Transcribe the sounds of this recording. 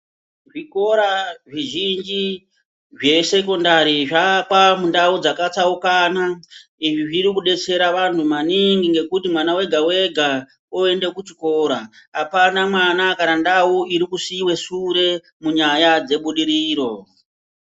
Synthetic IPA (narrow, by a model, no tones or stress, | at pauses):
ʐiko̞ɾaʐiʒind͡ʒi | ʐe̞se̞ko̞ndaɾiʐakwamundaud͡zakat͡saukanaiʐiʐiɾikuɗe̞t͡se̞ɾaʋantʰumaniŋɡiŋɡe̞kutimwanawe̞ɡʱawe̞ɡʱa | oe̞nde̞kut͡ʃiko̞ɾaapanamwanakaɾandauiɾikusiwe̞suɾe̞ | muɲajad͡ze̞ɓuɗiɾiːɾo̞